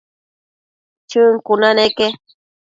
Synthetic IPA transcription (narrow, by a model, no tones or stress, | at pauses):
t͡ʃɨŋkunaneke